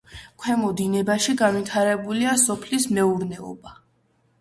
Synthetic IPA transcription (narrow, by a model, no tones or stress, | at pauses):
kʰwɛmɔd̪inɛbaʃiɡanvwit̪ʰaɾɛbuliasɔpʰlismɛuɾnɛɔ̰ba